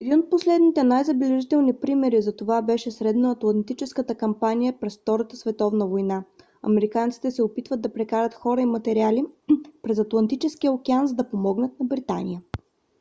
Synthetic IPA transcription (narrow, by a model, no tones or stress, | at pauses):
ɛd̪inot̪̚poslɛd̪nit̪ɛnajzɐbɛlɛʒit̪ɛlˠnipɾimɛɾizɐt̪ovabɛʃɛsɾɛd̪nəɐt̪lˠɐnt̪it͡ʃɛskət̪əkɐmpanijəpɾɛsft̪ɔɾət̪əsvɛt̪ɔvnəvojna | ɐ̰mɛɾikant̪si̥t̪ɛsɛopit̪vətd̪̚d̪ɐpɾɛkaɾət̪xɔɾəimɐt̪ɛɾialipɾɛzɐt̪lˠɐnt̪it͡ʃɛskijəokʲɛanzd̪ɐpomɔɡnət̪̚nɐbɾit̪a̰nḭjə